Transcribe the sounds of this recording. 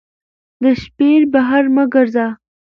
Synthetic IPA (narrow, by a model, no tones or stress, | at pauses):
d̪əʃpeɾbaɦaɾməɡəɾza